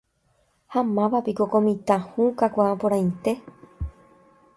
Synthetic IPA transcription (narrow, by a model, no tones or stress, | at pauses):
hamãʋapikokõmĩt̪ãhũkakʷãapoɾãj̃nt̪e̞